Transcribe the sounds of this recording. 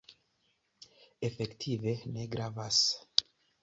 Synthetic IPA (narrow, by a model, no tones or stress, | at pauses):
efektʰiveneɡɾavas